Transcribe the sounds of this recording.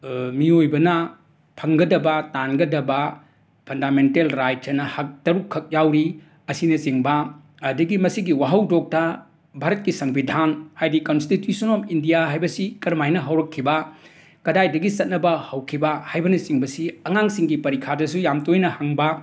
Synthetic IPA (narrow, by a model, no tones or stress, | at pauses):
miojbɐnɐ | pʰɐŋɡɐdɐbɐtanɡɐdɐbɐ | pʰɐndamentelɾajt̚t͡ʃɐnɐhɐk̚tɐɾukʰːɐk̚jawɾi | ɐsinɐt͡ʃiŋbɐ | ɐdɐɡimɐsiɡiwaɦɐwdok̚tɐ | bʱaɾɐt̚kisɐŋbidʱanhajdikonstitjusɐnomindijaɦajbɐsikɐɾmajnɐɦɐwɾɐkʰːibɐ | kɐdajdɐɡisɐt̚nɐbɐhɐwkʰibɐhajbɐnɐt͡ʃiŋbɐsiɐŋaŋsiŋɡipɐɾikʰadɐsujamtojnɐhɐŋbɐ